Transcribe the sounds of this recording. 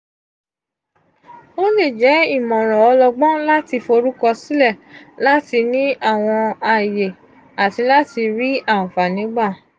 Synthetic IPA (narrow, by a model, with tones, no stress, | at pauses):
o˦le˦˨d͡ʒɛ˨˦i˦˨mɔ̃˨ɾ̃ɔ̃˨ɔ˧lɔ˧ɡ͡bɔ̃˦la˦ti˧fɾu˦kɔ˧si˦lɛ˦˨la˦ti˧nĩ˦a˦˨w̃ɔ̃˧a˨je˨ | a˨ti˧la˦ti˧ɾi˦a˦˨ũ˨fa˨nĩ˨˦ɡ͡ba˦˨